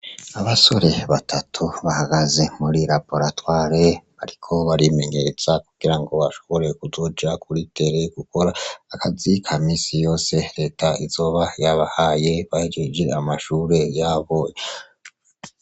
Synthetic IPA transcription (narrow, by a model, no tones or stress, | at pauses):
aβaso̞ɾe̞βatʰatʰuβahaɡaze̞muɾiɾapo̞ɾatwaɾeβaɾikʰo̞βaɾime̞ɲe̞ɾet͡sakuɡ̥iɾaŋɡo̞βaʃo̞̥βo̞ɾe̞kuzo̞d͡ʒakuɾitʰe̞ɾe̞ɡ̥uko̞ɾaakʰazikʰamiːsijo̞ːse̞ɾe̞ːtʰaizo̞βajaβahaje̞βahed͡ʒed͡ʒe̞amaʃuɾe̞jaβo̞